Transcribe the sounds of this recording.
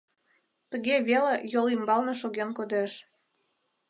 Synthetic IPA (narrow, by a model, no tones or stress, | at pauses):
t̪əɣeβelejolimbɑlneʃoɣenkod̪eʃ